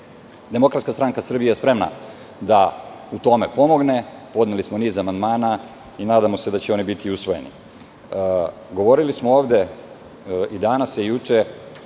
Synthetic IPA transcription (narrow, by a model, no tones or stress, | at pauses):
d̪e̞mo̞kɾat̪kast̪ɾaŋkasr̩bijejespɾe̞mna̰ | d̪a | ut̪o̞mepo̞mo̞ɡne̞po̞d̪nelismo̞niːzamand̪maːna | inaːd̪amo̞se̞d̪at͡ɕeo̞nibit̪iusʋo̞je̞̰nḭ | ɡo̞ʋo̞ɾilismooːʋd̪e̞ | id̪anasjejut͡ʃe